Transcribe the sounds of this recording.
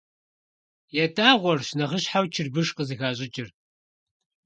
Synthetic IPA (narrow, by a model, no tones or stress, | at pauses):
jɛtʼaːʁʷɔrɕnɐʁəɕħawt͡ʃʰɪrbɨʂqəzɨɣaːɕʼɪt͡ʃʼɪr